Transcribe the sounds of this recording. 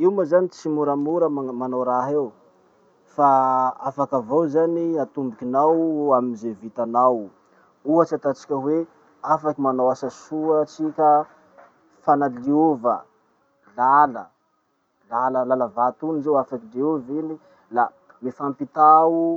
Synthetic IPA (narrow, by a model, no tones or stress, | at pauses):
iwmazanit͡simuɾamuɾəmmanowɾaɦew | faa̰fakavowzaniat̪umbikʲinawamizevit̪anaw | uat͡sat̪at͡si̥kʲəwe | afakimanowasasuət͡sikʲə | fanaliuvə | lalə | laləlalavat̪unizewafakiliuvini | la | mifampit̪au